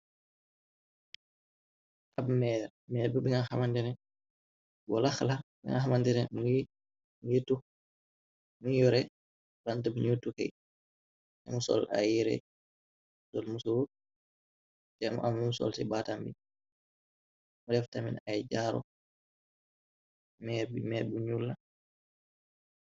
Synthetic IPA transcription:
ʔabmɛːɾ | mɛɾbubɛŋahamandɛnɛ | ɡɔlaxlabɛŋa̰hamandɛnɛmu | mujetːu | muŋjɔɾɛ | bantabiɲutːukaj | tɛ̰musɔ̰lʔa̰jiɾɛ̰ | dɔlmusowu | tɛmɔ̰ʔamumsɔ̰lsibatambḭ | mɔdɛftamḭnajd͡ʒaɾɔ̰ | mɛbmɛbuɲulːa

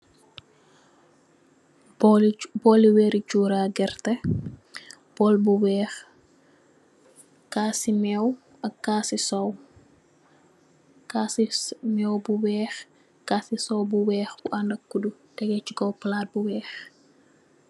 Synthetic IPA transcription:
bɔliwɛːɾit͡ʃuːɾaːɡɛrtɐ | bɔlbuwɛːx | kasimɛw | ɐkːaːsisɔw | kaːsimɛwbuwɛːx | kasisɔwbuwɛːxbuʔɐndɐkːudu | d̥ɛɡɛt͡ʃuɡɔwplaːt̚buwɛːx

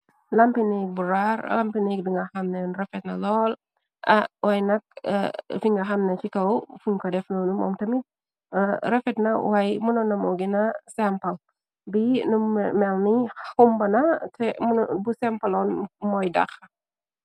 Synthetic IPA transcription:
lɐmpinɛbuɾaɾ̰lɐmpinɐdiŋɡɐxɐmnɛnrɐfɛtnɐlɔl | ɐ̰wɐjnɐk̚fiŋɡɐɦɐmnɐt͡ʃikɐwfuŋkɔdɛfnɔnumɔ̰ːmtɐmi | ɾɐfɛtnɐwajmunɔnɐmɔɡinɐsɛmpɐl | binumɛlniumbɐnɐtʰɛmbusɛmpɐlɔnmɔjdɐ̰xɐ

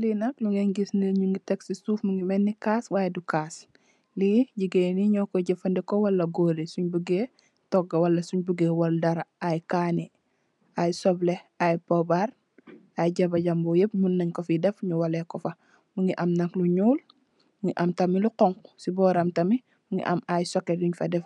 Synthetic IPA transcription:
linɐkluŋɡeɲɡisnilɲuŋɡitɛksisuːfmuŋɡimɛnːikaːswajɛdukas | liɟiɡeniɲɔkɔɟɛfɐndɛkɔwɐlːɐɡoːɾisuɲbuɡe | tɔɡɐwɐlːɐsuɲbuɡewɔldɐɾaajkani | ajsɔblɛajpɔbar | ajɟɐbɐɟɐmbɔjep̚munːɐɲkɔfidɛfɲuwɐlɛkɔfɐ | muŋɡiʔɐmnɐkluɲuːl | mŋɡiʔɐmtɐmiluqɔŋksibɔːɾɐmtɐmi | muŋɡḭʔɐmajsɔkɛduɲfɐdɛf

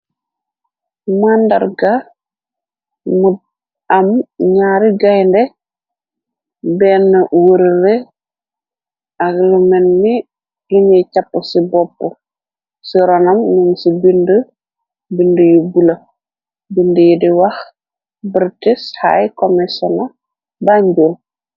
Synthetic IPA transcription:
mandɐ̰rɡa | mud̚ | ɐmɲaːɾiɡajndɛ | bɛnːɐwəɾəɾɛ | aɡlumɛnmi | duɲɛcapːəsibɔpːu | siɾɔnɐmnuŋsibində | bindəjubulɐ | bindəjidiwɐx | bəɾtisha̰jkɔmɛsɔna | baɲbol

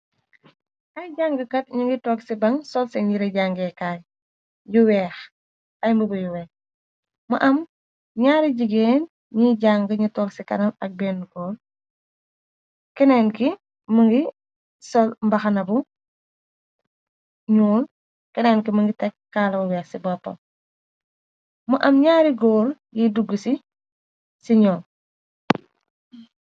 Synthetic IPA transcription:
ɐjɟaːŋɡɐkɐt̚ɲiŋɡitɔːksibɐŋsɔlsɛɲiɾeɟaːŋɡɛkaːj | juwɛːx | ʔɐjmbubujuwɛːx | mɐʔɐm | ɲaːɾiɟiɡeːn | ɲiɟaːŋɡəɲitɔːksikɐ̰nɐmɐk̚bɛːnːkɔːl | kɛnɛːnki | məŋɡi | sɔlmbɐxɐnɐbu | ɲuːl | kɛnɛːnkiməŋɡitɛkkːaːlɐuwɛsibɔpːɐ̰ | muʔɐmɲaːɾiɡɔːɾjiduɡːəsi | siɲɔː

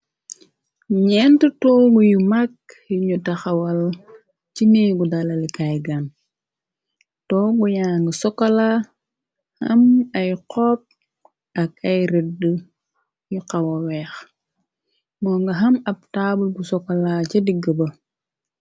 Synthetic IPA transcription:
ɲɛntutɔːɡujumɐk̚ | juɲutɐxɐwɐl | cimiːɡudalɐlikajɡan | tɔːɡujaːŋɡəsɔkːɐla | hɐmɐjqɔːp̚ | ɐkɐjɾɛdə | juqɐwɐwɛːx | mɔːŋɡɐɦɐmɐb̚tabulɡusɔkːɐlaːcɐdiɡəbɐ

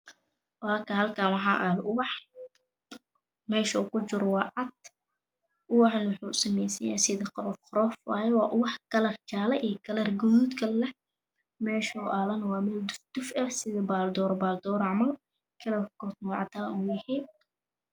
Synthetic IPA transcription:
wɑːkʰɐhɐlkʰaːnwɑħɑːʔalʊwɑħ | mɛːʃɐukʰʊt͡ʃɪɾwɑːʕɑd̪ | ʔʊwɑħnwʊħuːsɐmɛjsɐja̰ːsɪðɐqɾɔfqɾɔːfaːɛwɑːʔʊwɑħkʰɐlɐrt͡ʃaːlɐʔiːkʰɐlɐrɡʊðuːd̪kʰɐlɛh | mɛːʃɔʔaːlɐnwɑːmɛːld̪ʊfd̪̥ʊfɛrsɪðɐbaːld̪ɔːɾbaːld̪ɔːɾɑʕmɐl | kʰɐlɐkɔrt̪nwʕɑt̪ʰaːuːjɐhɛj

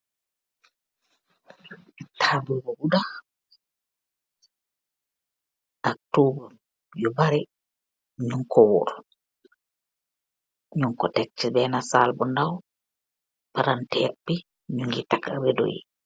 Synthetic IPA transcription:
tʰaːbubɔbuda | ʔak̚tubɔ | jubaɾɛ | ɲuŋkʰɔwṵɾ | ɲuŋkɔtɛk̚t͡ʃːibɛːnasalbɔndaw | paɾantɛːt̚bi | ɲuŋɡitakaɾedo̰jḭ

